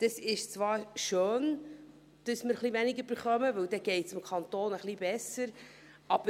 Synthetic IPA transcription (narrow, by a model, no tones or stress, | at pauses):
d̥əsɪʃt͡svɑːɾʃøːn | d̥əsməɾχlivɛnɪɡəb̥əɾχœməvɵwdɛɡ̥ɛɪtsɪmkʰɑnt̪oːnəχlib̥ɛsəɾ | ɑb̥ə